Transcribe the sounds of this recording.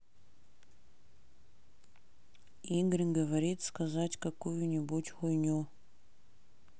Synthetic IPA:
iŋɡɾʲinɡəvɐɾʲit̪skɐzatʲkɐkujʊnʲɪbutʲxʊjnʲu

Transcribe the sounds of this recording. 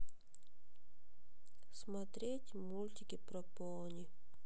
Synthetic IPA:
smɐt̪ɾʲetʲmulʲt̪ʲɪkʲɪpɾɔp | ɔlˠnʲi

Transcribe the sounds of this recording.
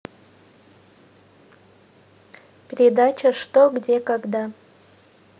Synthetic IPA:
pʲeɾʲed̪at͡ʃɐʂt̪oɡdʲe̞kaɡd̪a

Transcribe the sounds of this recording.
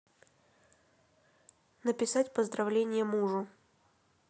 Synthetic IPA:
nəpʲɪsatʲpəzd̪ɾɐvlʲenʲɪjəmuʐʊ

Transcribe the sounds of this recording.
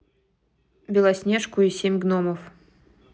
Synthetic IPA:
bʲɪlˠasʲnʲeʂkʊisʲemʲɡnoməf

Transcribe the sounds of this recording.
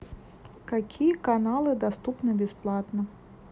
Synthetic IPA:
kakʲijɐkanalˠɨd̪ast̪upnɨbʲɛsplˠat̪nɐ

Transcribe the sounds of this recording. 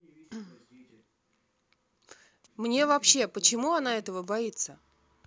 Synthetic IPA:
mnʲe̞vɐpɕːe̞pət͡ɕɪmuɐnaɛt̪əvəbɐit̪sə

